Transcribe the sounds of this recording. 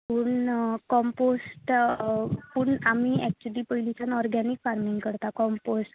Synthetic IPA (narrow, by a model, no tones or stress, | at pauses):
uɳkɔmposʈ | pəɳam̤iɛk̚t͡ɕəliːpəɦilit͡ɕanɔɾɡɛnikfaɾmiŋɡkəɾt̪akɔmposʈ